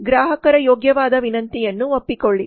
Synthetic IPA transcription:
ɡɾaːɦɐkɐɾɐjoːɡjɐʋaːd̪ɐʋinɐnt̪ijɐnːuopːikoɭːi

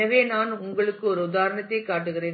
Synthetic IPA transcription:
ɐʋeːnaːnʊŋɡɐɭɯkːɯɔɾɯʊðaːɾɐɳɐt̪ːɐɪkːaːʈːɯɣɪreːn

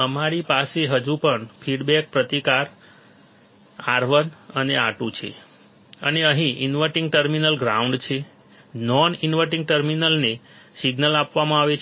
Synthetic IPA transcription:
əmaɾipaseɦəd͡ʒupəɳfʰiɖbɛk̚pɾət̪ikaɾ | aɾʋənəneaʈũt͡ʃʰḛ | ə̰neəɦĩʔḭnʋəʈĩŋɡ̚ʈəɾminəlɡɾauɳɖt͡ʃʰe | nɔninʋəʈĩŋɡʈəɾminəlnesiɡnəlapʋamãaʋet͡ʃʰ

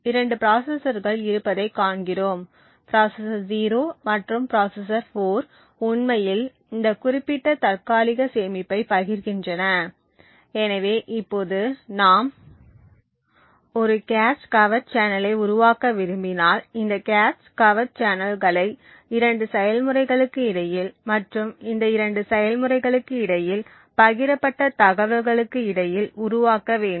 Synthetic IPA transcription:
ɪɾɐɳɖɯpɾaːsɐsɐɾɣɐɭɪɾɯpːɐðɐɪkːaːɳɡɪɾoːm | pɾaːsɐsɐɾziːɾoːmɐʈrɯmpɾaːsɐsɐɾfoːɾ | ʊɳmɐjɪl | ɪnd̪ɐkʊrɪpːɪʈːɐt̪ɐrkaːlɪɣɐseːmɪpːɐɪpɐɣɪɾɣɪndrɐnɐ | ɛnɐʋeːʔɪpːoːðɯnaːm | ɔɾɯkaːskɐʋɐɾt͡ʃaːnɐlɐɪʊɾʊʋaːkɐʋɪɾɯmbɪnaːlɪnd̪ɐkaːskɐʋɐɾ̚t͡ʃaːnɐlɣɐɭɐɪ | ɪɾɐɳɖɯsɛjɐlmɯɾɐɪɣɐɭɯkːɯɪɽɐjɪlmɐʈrɯmɪnd̪ɐɪɾɐɳɖɯsɛjɐlmɯrɐɪɣɐɭɯkːɯɪɽɐjɪl | pɐɣɪɾɐpːɐʈːɐt̪ɐɣɐʋɐɾɣɐɭɯkːɯɪɽɐjɪlʊɾʊʋaːkɐʋeːɳɖɯ

